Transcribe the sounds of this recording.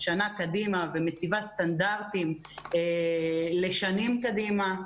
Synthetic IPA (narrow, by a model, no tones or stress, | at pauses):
ʃanakadimavemet͡sivast̪and̪aʁt̪im | e | le̞ʃanimkadima